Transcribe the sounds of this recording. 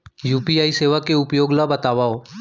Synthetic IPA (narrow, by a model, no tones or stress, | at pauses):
juːpiaːiseːʋakeʊpjoːɡlabət̪aːʋaːoː